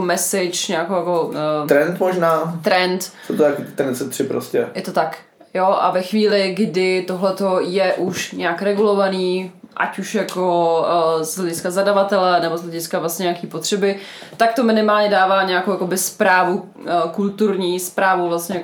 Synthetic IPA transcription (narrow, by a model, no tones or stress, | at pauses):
mɛsɪt͡ʃɲaːkowjakot̪ɾɛnt̪moʒnaːt̪ɾɛnt̪sowt̪ojak̪t̪ɾɛnsɛt̪r̥ɪpɾo̰scɛ̰jɛt̪o̞t̪ak | joʔa̰vɛxviːlɪɡdɪt̪oɦlɛt̪o̞jɛʔuʃɲɛakɾɛɡulo̞vaniːʔa̰cuʃjako | zlɛɟɪskazadavat̪ɛlɛnɛbozɦlɛɟɪskavlasɲɛɲɛakiːpot̪r̝̥ɛbɪt̪akt̪o̞mɪnɪmaːlɲɛdaːvaːɲɛjakowjakobɪspɾaːvu | kult̪uɾɲiːspɾaːvuvlast̪ɲɛjak